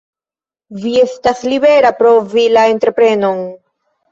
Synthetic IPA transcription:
vie̞staslibe̞ɾapɾo̞vilae̞ntɾe̞pɾe̞no̞n

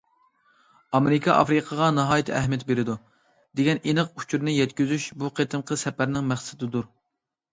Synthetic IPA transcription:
ɑmeɾɨkʰɑʔɑ̰fɾɨqʰəʁɑnɑɦɑːjt̪ʰɛɦmijɛt̪beɾɪd̪u | d̪eɡʲɛninɨqu̥t͡ʃʰuɾnɪjɛt̪kʲyzyʃbuqʰet̪ʰɨmqʰəsɛpæɾnɪŋmæχsɪd̪ɨd̪uɾ

